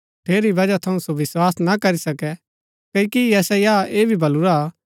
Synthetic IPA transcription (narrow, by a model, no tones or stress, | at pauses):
ʈʰeːɾibɐd͡ʒat̪ʰɐũsoʋɪswaːsnakɐɾisɐkɛ | kɐikiɛsɛjaːeːbʱibɐluɾa